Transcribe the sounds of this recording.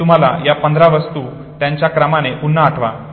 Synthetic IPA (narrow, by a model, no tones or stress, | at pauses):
um̤ala̰japənd̪ʱɾaʋəst̪uː | t̪jaɲt͡ɕjakɾamaneʔunːəaʈʰʋa̰